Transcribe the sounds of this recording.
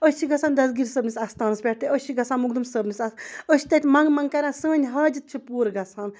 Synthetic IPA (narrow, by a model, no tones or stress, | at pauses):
əsʲt͡ʃʰiɡɐsʰaːnd̪ɐsɡiɾsəbnisʲɐst̪aːnɐspʲɛʈ̚ʰt̪eəst͡ʃʰiɡɐsʰaːnmuɡd̪umsəbnisʲɐəʃi̥t̪ɐt̪ʲmɐŋɡmɐŋɡkɐɾʲãːsəːnʲɦaːd͡ʒɨt̪̚t͡ʃʰipuːɾɡɐsʰaːn